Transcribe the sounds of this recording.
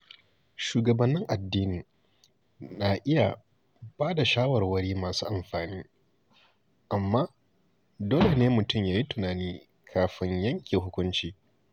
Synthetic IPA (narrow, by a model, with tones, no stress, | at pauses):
ʃuː˨ɡɐ˨bɐ˦nːɪ˦ŋʔa˨dːiː˦niː˨ | na˨ʔɪ˦ja̰˨ | baː˦da˨ʃaː˦wɐ˨rwɐ˦ɽiː˦maː˨suː˦ʔa˨mɸaː˨niː˦ | ʔa˨mːaː˦ | doː˦le˨neː˦mʊ˨tʊ˦˨mjaː˨ji˦tʊ˨naː˨niː˦ | kʰaː˨ɸɪ˦ɲjɐ˦ŋkʲeː˨ɦʊ˦kʷʊ˦nt͡ʃiː˦